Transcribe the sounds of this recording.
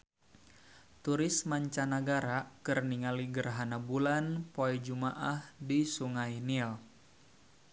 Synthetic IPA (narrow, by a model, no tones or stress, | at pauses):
t̪uɾɪsmaɲt͡ʃanaɡaɾakɨrniŋaliɡərɦanabulanpoɛd͡ʒumaʔahdisuŋajnil